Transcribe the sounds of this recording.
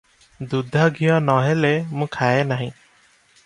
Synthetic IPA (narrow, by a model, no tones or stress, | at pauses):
d̪ud̪ʱaɡʱijɔnɔɦɛlemũkʰaenaɦĩ